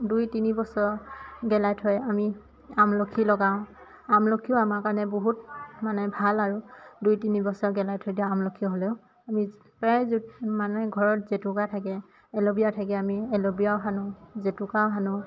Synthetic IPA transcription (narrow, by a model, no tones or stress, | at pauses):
dujtinibɔsɔɹɡɛlajtʰɔjami | amlokʰilɔɡaʊ̃ | amlokʰijɔamakanɛboɦutmanɛbʱalaɹudujtinibɔsɔɹɡɛlajtʰɔjdiaamlokʰiɔɦoleʊ | ami | pazumanuɛɡʱɔɹɔtzetʊkatʰakɛ | ɛlobijatʰak̬ɛamiɛlobijawɦanʊzetʊkawɦanʊ